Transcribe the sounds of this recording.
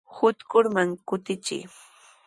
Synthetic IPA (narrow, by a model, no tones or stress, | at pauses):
hʊt̪kʊɾmaŋkʊt̪ɪt͡ʃɪ̰j